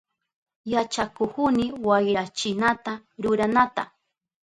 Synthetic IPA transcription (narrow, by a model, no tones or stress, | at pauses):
jat͡ʃakʊhʊnɪwajɾat͡ʃɪnat̪aɾʊɾanat̪a